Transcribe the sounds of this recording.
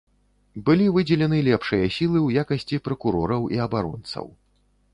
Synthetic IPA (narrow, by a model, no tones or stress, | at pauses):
bɨlʲivɨd͡zʲɛlʲɛnɨlʲɛpʂɨjɐsʲilˠɨwjakɐsʲt͡sʲipɾɐkuɾɔɾɐwiɐbaɾɔ̰nt̪sɐ̰w